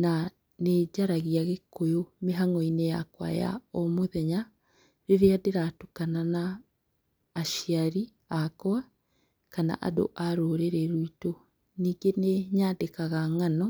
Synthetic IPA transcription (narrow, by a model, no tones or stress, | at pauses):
na | ned͡ʒaɾaɣiaɣekojomeɦaŋɔinejakwa̰ja̰ɔmoðɛɲa | ɾeɾeadeɾatukananaː | ʃiaɾi | akɔa | kana̰ʔa̰do̰ʔaɾoɾeɾɛɾuito | niːŋɡeneɲaːdekaɣaŋanɔ